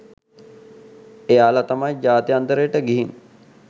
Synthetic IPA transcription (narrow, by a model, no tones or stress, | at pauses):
ejaːlat̪amajd͡ʒaːt̪ijant̪əɾəjəʈəɡiɦin